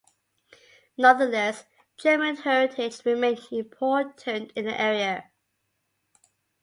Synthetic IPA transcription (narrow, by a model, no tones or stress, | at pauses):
nʌðəlɛs | d̥ʒ̥ɜːmə̃nhɛɹɪtʰɪd͡ʒɹɪmẽɪ̃nzɪ̃mpʰɔˑtʰə̃ntʰɪ̃nðḭʔɛɹiə